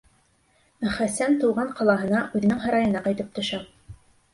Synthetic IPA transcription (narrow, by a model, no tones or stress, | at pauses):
χæsænt̪uwʁɑɴqʰɑlˠɑɦɤ̆nɑʔʉðɘ̆nɘŋɦɑ̆ɾɑjɤ̆nɑqɑjt̪ɤp̚t̪ŏʃɑ